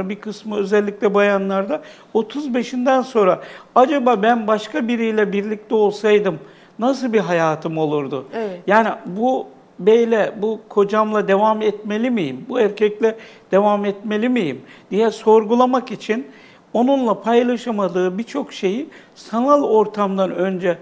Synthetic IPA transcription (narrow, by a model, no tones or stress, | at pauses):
bikʰɯsmɯø̞zɛlʲːic̚ʲlʲɛbajanlˠaɾd̪a | o̞t̪ʰuzbe̞ʃind̪ænso̞nɾaad͡ʒabaːbænbaʃkʰabiɾijlʲɛbiɾlʲic̚t̪ʰɛo̞lˠsajd̪ɯm | nasɯlˠbiɦajaːt̪ʰɯmo̞lˠuɾd̪ʊjaːnibu | bejlʲɛbukʰo̞d͡ʒamlˠad̪e̞vamɛt̪me̞lʲimijimbuæɾcʰɛclʲɛd̪̥e̞vamɛt̪me̞lʲimijimd̪ijɛso̞ɾɡulˠamakit͡ʃʰin | o̞nunlˠapʰajlˠaʃamad̪ɯːbit͡ʃʰo̞kʃe̞ji | sanalˠo̞ɾt̪ʰamd̪anø̞nd͡ʒɛ